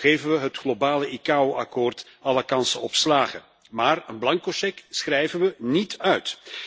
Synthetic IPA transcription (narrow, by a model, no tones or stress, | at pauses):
ɣejvənʋəɦətχlobaːləʔikaːoʔɑkoːrt | ɑləkɑnsənɔpslaːɣə | maːrənblɑŋkoʃɛksχrɛjvənʋənitœɥt